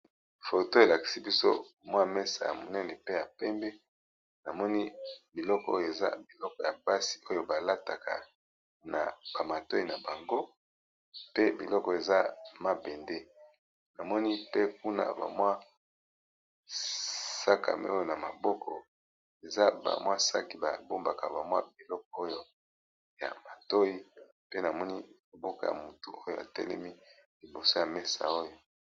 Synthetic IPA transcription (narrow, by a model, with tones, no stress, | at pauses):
fo˨to˦e˨la˨ki̥˨si˦bi˦so̰˦˨mwa˦mɛ˦sa̰˨ja̰˨mo˨nɛ˦nɛ˨pe˦ja˨pɛ˦mbɛ˦ | na˨mɔ˦ni˦bi˨lɔ˦kɔ̰˦o˦jo˨e˨za̰˦bi˨lɔ˦kɔ˨ja˨ba˦si̥˨o˦jo˦ba˨la˦ta˨ka̰˨ | na̰˨ba˨ma˨to˦i˨na˨ba˨ŋɡo˦ | pe˦bḭ˨lɔ˦kɔ˨e˨za˦ma˦bɛ˨nde˦ | na˨mɔ˦ni˦pe˦ku˦na̰˨ba̰˨mwa˦ | sa˦kʰa̰˨mʔɛ̰˦o˦jo˦na˨ma˨bɔ˦kʰɔ˨ | e˨za˦ba̰˨mwa˦sa˦ki˨ba˨bo˦mba˨ka˨ba˨mwa̰˦bi˨lɔ˦k̚ɔ˨o˦jo˦ | ja̰˨ma˨to˦i˦ | pe˦na˨mɔ˦ni˦ma˨bɔ˦ka̰˨ja̰˨mu˨tu˨o˦jo˦˨a̰˨tɛ̰˦lɛ̰˦mi˦ | li˨bo˨so˦ja˨me˦sa̰˨o˦jo˨